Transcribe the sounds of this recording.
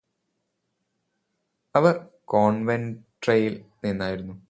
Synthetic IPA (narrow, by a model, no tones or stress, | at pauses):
ɐʋɐrkoːɳʋenʈrejilninːaːjiɾunːu